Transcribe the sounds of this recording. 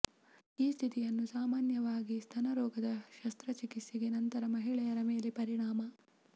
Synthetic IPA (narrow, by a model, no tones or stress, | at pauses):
iːst̪ʰit̪ijɐnːusaːmaːnjɐʋaːɡist̪ʰɐnɐɾɔːɡɐd̪ɐʃɐst̪ɾɐt͡ʃikisiɡe̞nɐnt̪ɐɾɐmɐɦiɭɛjɐɾɐme̞ːle̞pɐɾiɳaːmɐ